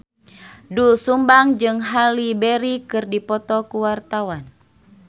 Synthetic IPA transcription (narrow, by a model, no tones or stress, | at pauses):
dusumbaŋd͡ʒɨŋɦalibɛɾikɨrdipɔt̪ɔkuwart̪awan